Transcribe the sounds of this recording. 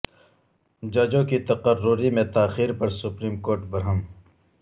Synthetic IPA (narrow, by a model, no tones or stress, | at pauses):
d͡ʒaːd͡ʒõkit̪ɐqərːʊɾimẽt̪aːxiːɾpɐɾsʊpɾiːmkoːɾʈbɐɾɦəm